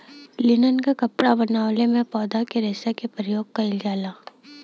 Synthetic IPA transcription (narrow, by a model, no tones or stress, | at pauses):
lɪnənkakɐpɽabɐnaːʋlemẽpɔːd̪akeɾɛːsakepɾɪjoːɡ̚kaɪlɡaːlaː